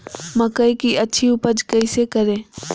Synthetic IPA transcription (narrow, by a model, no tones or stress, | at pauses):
mɐkəikiɐtːʃʰiʊpəd͡ʒkɐisekɐɾẽː